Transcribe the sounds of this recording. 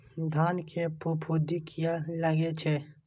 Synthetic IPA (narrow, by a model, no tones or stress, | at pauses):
d̪ʱaːnkʰepupʰud̪ikʰijaləɡet͡ʃʰeː